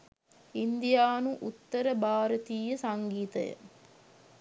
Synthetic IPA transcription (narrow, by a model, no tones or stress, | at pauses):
ind̪ijaːnuʔut̪ːɐɾəbaːɾɐt̪iːjɐsɐŋɡiːt̪ɐjə̰